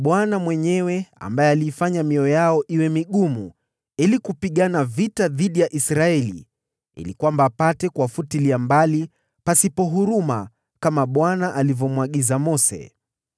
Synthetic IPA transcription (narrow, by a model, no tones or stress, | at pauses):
ɓwanamwɛɲɛwɛa̰mbajɛaliːfaɲamiɔjaɔʔiwɛmiɠumu | ilikupiɠanavitaðiɗijaʔisɾaɛlḭ | ḭlikwambaːpatɛkwafutiliambali | pasipɔɦuɾuma | kamaɓwanaʔalivɔmwaɠizamɔsɛ̰